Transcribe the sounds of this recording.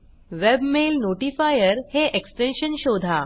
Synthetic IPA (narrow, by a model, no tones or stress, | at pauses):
ʋebmelnoʈifajəɾheʔeksʈenɕənɕod̪ʱa